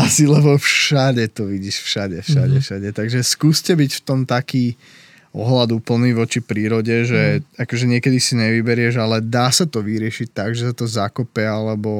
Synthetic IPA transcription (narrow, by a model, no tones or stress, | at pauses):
asilɛbɔfʃaɟɛt̪ɔʋiɟiʃfʃaɟɛfʃaɟɛfʃaɟɛt̪aɡʒɛskuːscɛbicft̪ɔmt̪akiː | ɔ̰ɦlad̪uːpl̩niːʋɔt͡ʃipɾiːɾɔɟɛʒɛakɔʒɛɲɪɛkɛd̪isiɲɛʋibɛɾɪɛʒalɛd̪aːsat̪ɔʋiɾɪɛʃic̚t̪aɡʒɛsat̪ɔzakɔpɛalɛbɔ